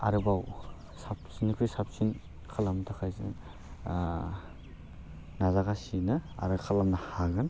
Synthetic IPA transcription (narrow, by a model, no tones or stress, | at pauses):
a̰ɾɯbaw | sapsinikʰɾisap̚sin | kʰalamtʰakʰajzɯ̰ | nazaɡasinɯa̰ɾɯkʰalamnahaɡɯn